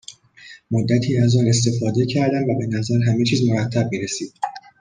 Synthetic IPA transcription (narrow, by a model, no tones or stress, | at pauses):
mod̪ːæt̪ʰiːæzɒːne̞s̬t̪e̞fɒːd̪e̞cʰæɾd̪æmvæbe̞næzæɾɦæme̞t͡ʃʰiːzmoɾæt̪ʰːæb̚miːɾesiːd̪̥